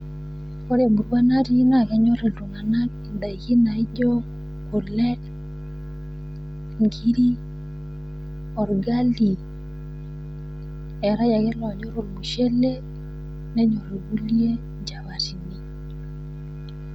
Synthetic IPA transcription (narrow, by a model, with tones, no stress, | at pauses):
ko˦ɾja˨bu˨ɾwa˦na˦ti˦n˦a˦˨kɛ˨˦ɲɔ˦ɾe˨lo˨ŋa˨na˦t̚da˨i˨ki˦na˨i˦d͡ʒɔ˦ | ko˨lɛ˦ | ŋɡi˦ɾi˦ | ɔ˨ɾɡa˦li˨ | ɛ˨ɾa˦ja˨ɡɛ˦lɔ˨ɲɔ˦ɾo˨mu˨ʃe˦le˦ | nɛ˦ɲɔ˨ɾe˨ɡu˦lje˦ | d͡ʒa˨βa˨ti˨ni˦